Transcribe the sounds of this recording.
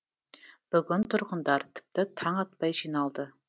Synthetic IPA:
b̥ʏɡʲʏnt̪ʰʊɾqʊnd̪ɑɾt̪ʰɪ̥p̚t̪ɪt̪ʰɑɴɑt̪̚pɑjʒinɑlˠd̪ə

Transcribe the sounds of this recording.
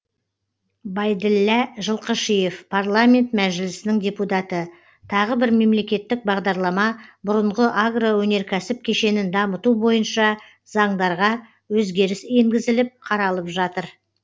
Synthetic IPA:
bɑjd̪ɪlːæʒəlˠqəʃije̞fpʰarlˠamʲe̞nt̪mæʒɪlɪsɪnɪŋdʲe̞put̪ɑt̪ə | t̪ʰɑʁəbɪɾme̞mle̞kʲe̞t̪ːɪk̚bɑʁd̪ɑɾlˠɑmɑbʊɾəɴʁəʔaɡrawɵne̞ɾkʲʰæsɪp̚kʲʰe̞ʃe̞nɪnd̪ɑmət̪ubo̞jənʃɑ | zɑɴd̪ɑɾʁɑ | wɵzɡʲe̞ɾɪse̞ŋɡʲɪzɪlɪp̚qʰɑɾɑlˠəpʒɑt̪əɾ

